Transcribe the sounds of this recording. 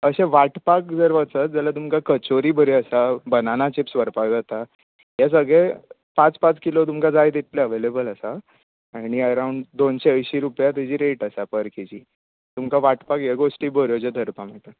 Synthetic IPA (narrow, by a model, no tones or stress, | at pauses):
əɕeʋaʈpakd͡zəɾʋət͡sət̪̚d͡zalat̪umkakət͡ɕoɾiːbəɾiəsabənanat͡ɕipsʋəɾpajd͡zat̪a | ɦjas̬əɡɭe | pãt͡spãt͡skilot̪̬umkad͡zajt̪it̪leəʋelebələsa | aɽ̃iəɾauɳɖd̪onɕeəjɕiɾupjat̪id͡ʑiːɾeʈəsapəɾkʰit͡ɕiː | t̪umkaʋaʈpakjaɡosʈiːbəɾjod͡ʑad̪ʱəɾpam̤əʈ̪ə